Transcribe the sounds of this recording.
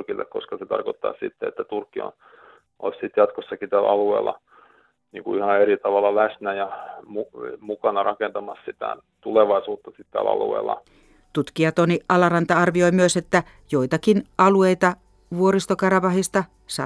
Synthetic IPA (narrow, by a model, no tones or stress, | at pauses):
rkilːʔḛkko̰skɑset̪ɑ̰rkot̪ːɑ̰ːssḭt̪ːeḛt̪ːæt̪urkːio̰n | ʔo̰lssit̪jɑt̪kosːɑkit̪æl̰ɑluḛːlːˑɑ̰ | niːŋkuihɑeɾit̪ɑʋɑlɑlæsnæjɑmumukɑnɑrɑkent̪ɑmɑssit̪æ̰ | t̪uleʋɑisuːt̪ːɑsit̪t̪æ̰ːlɑ̰lṵḛːlːɑ̰ | t̪ut̪kiɑt̪oniʔɑlɑrɑnt̪ɑɑrʋiojmyøset̪ːæ | joit̪ɑkinɑlueit̪ɑ | ʋuoɾist̪okɑrɑʋɑhist̪ɑ | sɑ